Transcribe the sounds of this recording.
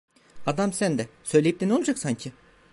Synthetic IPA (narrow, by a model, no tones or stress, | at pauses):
ad̪amsænd̪ɛsø̞jlʲejip̚d̪ɛneolˠad͡ʒaksaɲcʰɪ